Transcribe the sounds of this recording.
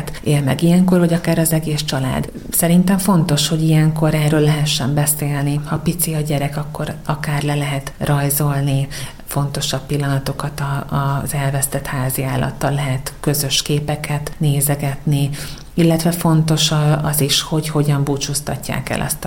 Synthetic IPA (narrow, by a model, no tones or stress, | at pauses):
t̪ʔeːlmɛ̰ɡijɛŋko̞rɒɟɒkaːɾɒzɛɡeːst͡ʃɒla̰ːd̪ | sɛɾint̪ɛɱfo̞nt̪o̞ʃho̞ɟijɛŋko̞ɾɛrːøːlːɛɦɛʃːɛmbɛseːlnihɒpit̪siɒɟɛɾɛkɒkːo̞ɾɒkaːrlɛlɛɦɛt̪rɒjzo̞lni | fo̞nt̪o̞ʃɒpilːɒnɒt̪o̞kɒt̪ɒːzɛlvɛst̪ɛt̪haːziaːlːʔɒ̰t̪ːɒlːɛɦɛt̪kø̞zø̞ʃkeːpɛkʰɛt̪neːzɛɡɛt̪ni | ilːɛt̪ʋɛfo̞nt̪o̞ʃɒziʃho̞cho̞ɟɒmbut͡ʃust̪ɒcːa̰ːkɛ̰lʔɒ̰st̪